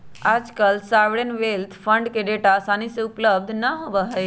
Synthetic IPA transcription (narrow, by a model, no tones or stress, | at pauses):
aːd͡ʒkəlsaːʋɽenʋelt̪ʰpʰəɳɖkeɖeʈasaːniseʊpləb̚d̪ʱnəɦobəɦə